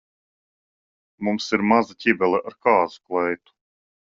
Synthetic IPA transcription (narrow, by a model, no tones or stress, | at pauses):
mumsiɾmazatʲibɛlˠɛʔaɾkaːzu̥klˠɛjt̪u̥